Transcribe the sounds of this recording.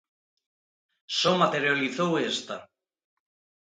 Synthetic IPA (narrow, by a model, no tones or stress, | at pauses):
sɔmat̪eɾjaliθowest̪a